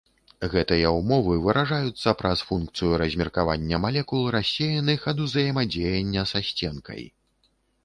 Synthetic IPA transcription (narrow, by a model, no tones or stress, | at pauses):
ɣɛt̪ɨjɐumɔvɨvɨɾaʐajut̪sːɐpɾɐsfunkt̪sɨjuɾɐzʲmʲirkavanʲːɐmalʲɛkulˠɾasʲejɐnɨxɐd̪uzɐjɛmad͡zʲejɐnʲːɐsasʲt͡sʲɛnkʰɐ̰j